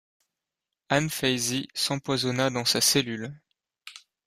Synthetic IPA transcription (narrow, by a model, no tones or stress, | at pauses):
anfɛjzisɑ̃pwazɔnad̪ɑ̃saselyl